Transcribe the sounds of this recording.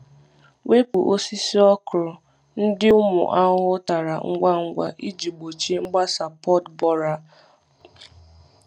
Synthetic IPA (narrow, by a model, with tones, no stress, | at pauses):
we˦pʊ˨ʔo˦si˦si˦ɔ˦kʊ˨ɾʊ˨ | n̩˦dɪ˦ʊ˦mʊ̰˨ʔa˦ɦʊ˦ta˨ɾa˨ŋ̩˦ɡʷa˦ŋ̩˦ɡʷa̰˦ʔi˦d͡ʒi˨ɡ͡bo˨t͡ʃi˦ŋ͡m̩˦ɡ͡ba˦sa˨pɔ˦tbɔ˦ɾa˨